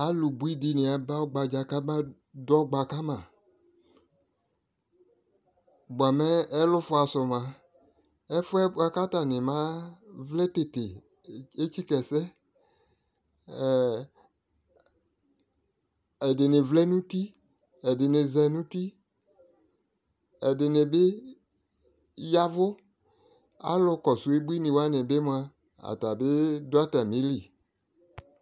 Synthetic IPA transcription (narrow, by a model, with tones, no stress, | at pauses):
a˦lʊ˨bu˦i˦di˦nɪ˨a˨ba˦o˦ɡ͡ba˨d͡ʒa˨ka˦mã˦ | dɔ˦ɡ͡ba˨ka˦mã˨ | bʊ˨a˨mɛ˦ɛ˦lʊ˦fʊ˦a˨sʊ˨mã˨ | ɛ˦fʊ˦ɛ˦a˦ka˦ta˨nɪ̃˨mã˦vlɛ˦te˨te˨ | e˦t͡ʃi˦kɛ˨sɛ˦˨ | ɛ˨de˨nɪ̃˨vlɛ˦nũ˦ti˦ | ɛ˨de˨ne˨zɛ˨nũ˦ti˦ | ɛ˨dɪ˨ne˨be˦ | ja˦vʊ˦ | a̰˦lʊ˦kɔ˨su˨e˦bu˦i˦nɪ̃˨wa˦nẽ˨be˦m˦a˦ | a̰˨ta˨be˦dʊ˦a˦ta˨mĩ˦li˨